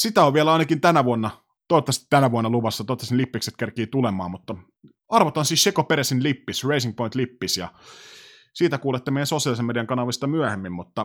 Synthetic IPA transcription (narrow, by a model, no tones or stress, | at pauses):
sit̪æoʋʋielæɑˑinɑkint̪ænæʋuonːɑ | t̪oˑit̪ːɑst̪ænæʋuonːɑluʋɑsːɑt̪oˑt̪ːɑsinlipːikset̪kerkiːt̪ulemɑ̰ːmut̪ːɑ | ɑrʋot̪ɑnsiːsʃekopeɾæsinlipːisreisiŋk̚point̪lipːisjɑ | siːt̪ækuːlet̪ːemejænsosiɑlisemːediɑŋkɑnɑʋist̪ɑmyæhemːimmut̪ːɑ